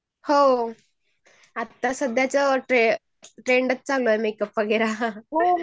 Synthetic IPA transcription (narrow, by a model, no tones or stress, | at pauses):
ho | at̪ːasəd̪jat͡səʈe | ʈɾeːɳɖət̪̚t͡saloemekəpːaɡeɾa